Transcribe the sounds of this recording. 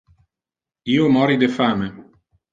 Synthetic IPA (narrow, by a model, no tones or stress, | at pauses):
iːomɔːɾid̪efaːme